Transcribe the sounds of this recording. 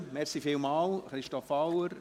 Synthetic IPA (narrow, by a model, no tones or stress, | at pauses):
mɛrsifiːlmɑːlχɾɪʃtɔfawəɾ